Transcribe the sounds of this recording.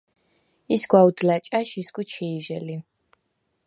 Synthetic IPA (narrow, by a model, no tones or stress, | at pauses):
isɡwaud̪lat͡ʃʼaʃiskut͡ʃʰiːʒɛli